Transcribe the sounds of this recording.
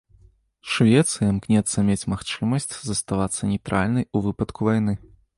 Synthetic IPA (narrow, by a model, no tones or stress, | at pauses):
ʂvʲɛt̪sɨjɐmknʲɛt̪sːɐmʲet͡sʲmaxt͡ʂɨmɐsʲt͡sʲzɐst̪avat̪sːɐnʲɛjt̪ɾa̰lʲnɐjuvɨpɐt̪kuvajnɨ